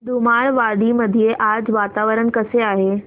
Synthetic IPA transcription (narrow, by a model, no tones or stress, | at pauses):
d̪umaɭʋaɽiməd̪ʱijeʔad͡zʋat̪aʋəɾəɳkəseaːɦe